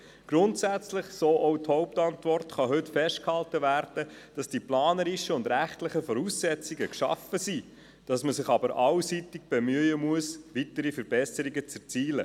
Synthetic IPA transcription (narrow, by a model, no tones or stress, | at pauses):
ɡ̥ɾʊntsæt͡slɪχsoːʔɔʊthɔʊptɑntʋɔrtχɑɦʏtfɛʃtkhɑltəvæːɾd̥ə | d̥ɑsd̥iplɑːnəɾiʃəʊndɾæχtlɪχəfɔɾuːsːɛt͡siɡəkʃɑ̰fəsi | d̥ɑsməsɪχɑbəɾʔɑwsitɪɡ̥̚b̥ɛmyːəmuəsʋitəɾifəɾb̥ɛsəɾiɡət͡sɛt͡siːlə